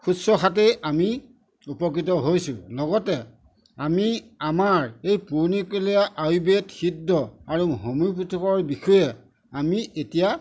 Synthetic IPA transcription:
kʰusɔxat̬eʔami | upɔk̬ɹit̬ɔɦojsʊ̰lɔɡɔtɛ | amiamaɹejpunikuliaʔajubetxidːɔaɹuɦomujp̬utʰɔkɔɹbixɔjɛ | amiʔetija

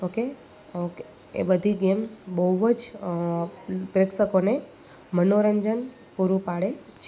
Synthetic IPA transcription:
oke | oke | ḛbəd̪ʱiɡembəɦuʋəd͡ʒ | pɾeksəkone | mənoɾəɲd͡ʒən | puɾupaɽet͡ʃʰe

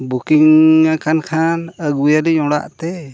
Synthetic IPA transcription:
bukiŋːakʰankʰanəɡujaliɲɔɽa̰ʔt̪ɛ

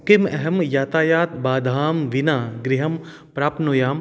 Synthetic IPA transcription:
kimɛɦɐmjaːt̪aːjaːt̪baːd̪ʱaːmʋinaːɡɾiɦɐm | pɾaːpnoːjaːm

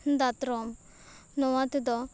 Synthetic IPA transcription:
nd̪at̪ɾɔm | nɔwat̪id̪ɔ

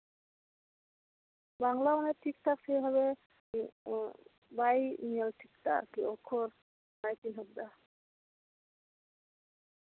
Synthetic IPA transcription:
baŋlamanɛʈʰik̚tʰaksejbʱaβe | bajmiɛlʈʰikta̰ɾkiɔkʰːɔɾ | najtinɦɔb̚d̪a

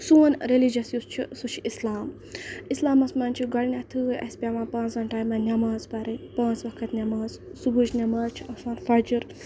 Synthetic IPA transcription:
soːnʲɾelid͡ʒɐsjust͡ʃʰisut͡ʃʰiʔislaːm | islaːmɐsmaːnʲt͡ʃʰiɡɐɽnʲɐt̪ʰɨɐ̰spʲamãːpãːnt͡sɐnʈaːjmanʲɐmaːzpɐɾɐpãːnt͡sʋɐkʰɐt̪nʲɐmaːzsubut͡ʃnʲɐmaːzt͡ʃʰiɐsaːnfɐɾd͡ʒiɾ

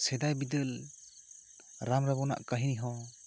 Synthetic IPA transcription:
sɛd̪ajbid̪ɯl | ɾamɾabɔna̰ʔkaɦiniɦɔ

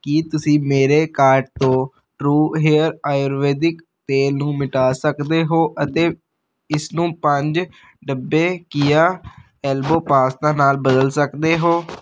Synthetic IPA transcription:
kit̪ʊsĩːmeːɾeːkaːɾɖ̚t̪õː | ʈɾuːɦeːəɾaːjoːɾʋeːd̪ɪk | t̪eːlnũːmɪʈaːsəkd̪eːɦoːʔət̪eː | ɪsnũːpəɲd͡ʒ | ɖəbːeːkɪjaː | ɛːlboːpaːst̪ãːnaːlbəd̪əlsəkd̪eːɦoː

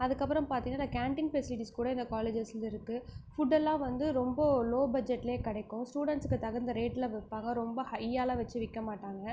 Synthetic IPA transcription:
ɐðɯkːɐpːɯɾɐ̃mpaːɾt̪iŋɡɐnːaːnːɐkaːɳʈɪnfɛsɪlɪʈiskuːɽɐɪnd̪ɐkaːleːd͡ʒɐslɪɾɯkːɯfʊɖɛlːãːʋɐnd̪ɯɾɔmbɐloːbɐd͡ʒɛʈːɪleːkɐɽɐɪkːʊ̃sʈuːɽɛɳʈskːɯt̪ɐɣɐnd̪ɐɾeːʈːɪlɐʋɪpːaːŋɡɐɾɔmbɐhɐɪjaːlaːʋɐt͡ʃːɯʋɪkːɐmaːʈːaːŋɡɐ

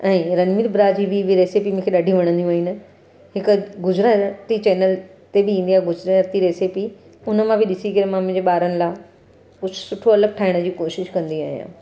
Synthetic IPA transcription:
ɛ̃ːɾɐnmɪɾbɾaːd͡ʑibibʱɪɾeːsipimʊ̃ːkʰeɗaɖʱiũʋɐɽ̃ə̃nd̪iũːɦɪnɪ̆ | hɪkɡʊzɾət̪it͡ɕɛːnəlt̪ebɪĩːnd̪iaːɦeɡʊzɾt̪iɾeːsipi | ʊnə̆mãbʱɪɗɪsikɐɾemãmʊ̃ɦɪ̃d͡ʑeɓaːɾənɪ̆laː | kʊd͡ʑʱʊsʊʈʰoɐləɡ̚ʈʰaːɦɪɽ̃əd͡ʑiːkoːʃɪʃkɐ̃nd̪ia̰ːɦijã̰ː

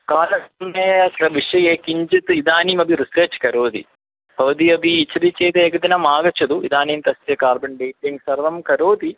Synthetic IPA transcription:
kaːlɐnɐːɐɐʋiʂɐjeːkiɲd͡ʒɐt̪ɨid̪aːniːmɐbʱiɾiseːt͡ʃkɐɾoːd̪ḭ | pɐʋɐd̪iɐbiːt͡ʃʰːɐɾit͡ʃeːt̪eːkɐd̪inɐmaːɡɐt͡ʃɐd̪uid̪aːniːmt̪ɐsjɐkaːɾbɐɳɖeːʈːiŋɡsɐɾʋɐmkɐɾoːd̪i

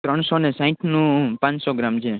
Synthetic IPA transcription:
t̪ɾəɳ̃sonesãĩʈʰnũpãɲsɔɡɾamt͡ʃʰe

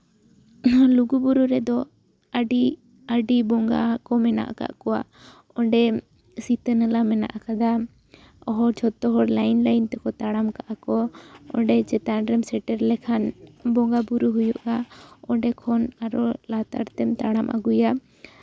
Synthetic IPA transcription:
luɡubuɾuɾɛd̪ɔ | aɖi | aɖibɔŋɡa̰kɔmɛna̰ʔaka̰ʔkɔwa̰ | ɔɳɖɛ | sit̪ənəlamɛna̰ʔakad̪a | ɔɦɔɾt͡ʃʰɔt̪ːɔɦɔɾlajnlajnt̪ɛkɔt̪aɽamkaʔakɔɔ̰ɳɖɛt͡ʃɛt̪aɳɖɾɛmsɛʈɛɾlɛkʰanbɔŋɡabuɾuɦujuʔaɔɳɖɛkʰɔnaɾɔlat̪a̰ɾt̪ɛmt̪aɽamʔa̰ɡuja

